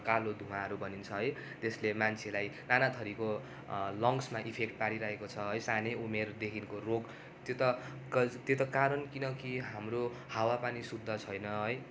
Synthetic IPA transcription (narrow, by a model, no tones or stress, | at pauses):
kalod̪ʱumaɦʌɾubʱʌnint͡sʰʌɦʌj | t̪eslemant͡sʰelajnanat̪ʰʌɾiko | lʌŋsmaʔipʰekʈ̚paɽiɾaɦekot͡sʰʌɦʌjsaneumerd̪ekʰinkoroɡ | t̪ot̪ʌ | kʌt̪jet̪ʌkaɾʌnkinʌkiɦamro | hawapanisud̪ʱːʌt͡sʰʌjnʌɦʌj